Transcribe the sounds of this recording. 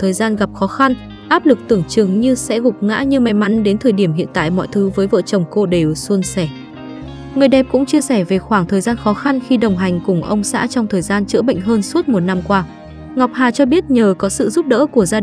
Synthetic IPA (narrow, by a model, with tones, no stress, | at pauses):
t̪ʰəː˨˩jzaː˧nɣa˨˩p̚xɔ˨˦xa˧n | ʔaː˦˥p̚lɨ˨˩k̚t̪ɨ˨˧˩əŋt͡ɕɨ˨˩əŋɲɨ˧sɛ̰˧˥ɣʊ˨˩k͡p̚ŋa̰ː˧˥ɲɨ˧ma˨˦jma˨˦nɗe˨˦nt̪ʰəː˨˩jɗi˧˩əmhḭ˧˨ənt̪a̰ː˧˨jmɔ̰˧˨jt̪ʰɨ˨˦vəː˨˦jvə̰ː˧˨t͡ɕə˨˩wŋ͡mko˧ɗe˨˩wsu˧ənsɛ˧˩ | ŋɨ˨˩əjɗɛ˨˩p̚kʊ̰˧˥ŋ͡mt͡ɕi˧əsɛ˧˩ve˨˩xwaː˧˩ŋt̪ʰəː˨˩jzaː˧nxɔ˨˦xa˧nxi˧ɗə˨˩wŋ͡mɦa˨˩jŋ̟kʊ˨˩ŋ͡mʔə˧wŋ͡msa̰ː˧˥t͡ɕɔ˧wŋ͡mt̪ʰəː˨˩jzaː˧nt͡ɕɨ̰˧˥ɓə̰˧˨jŋ̟ɦəː˧nsu˦˥ət̚mo˨˩t̚na˧mkwaː˧ | ŋɔ˨˩wk͡p̚haː˨˩t͡ɕɔ˧ɓi˦˥ət̚ɲəː˨˩kɔ˨˦sɨ̰˧˨zu˦˥p̚ɗə̰ː˧˥ku˧˩əzaː˧